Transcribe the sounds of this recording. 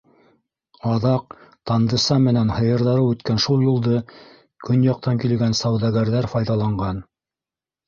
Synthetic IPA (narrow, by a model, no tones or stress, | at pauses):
ɑðɑq̚t̪ɑnd̪ɤ̆sɑmɘ̆nænhɤ̆jɤ̆ɾðɑɾɤwʉt̪kænʃulˠjulˠd̪ɤ | kʰɵnjɑq̚t̪ɑŋkil̆ɡænsɑwðɑɡæɾðæɾfɑjðɑlˠɑɴɢɑn